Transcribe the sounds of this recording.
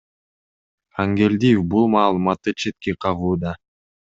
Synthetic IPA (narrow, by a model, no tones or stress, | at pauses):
aŋɡe̞lʲd̪ijefbulˠmɑːlˠɯmɑt̪ːɯt͡ʃʰe̞t̪̚ke̞qʰɑʁuːd̪ɑ